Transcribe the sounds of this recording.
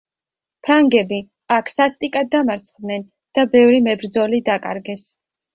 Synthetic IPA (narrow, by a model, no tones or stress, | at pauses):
pʰɾaŋɡɛbi | akʰsast̪ʼikʼad̪ːamaɾt̪sʰχd̪nɛn | d̪̥abɛvɾimɛbɾd̪zɔlid̪akʼa̰ɾɡɛs